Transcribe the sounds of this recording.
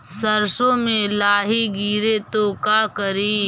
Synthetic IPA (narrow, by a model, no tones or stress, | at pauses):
səɾsõːmẽlaːɦiɡiːɾet̪okaːkəɾiː